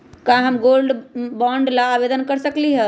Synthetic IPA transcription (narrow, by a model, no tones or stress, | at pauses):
kãɦəmɡolɖbɔɳɖlaːbed̪ənkəɾsəkliɦɛ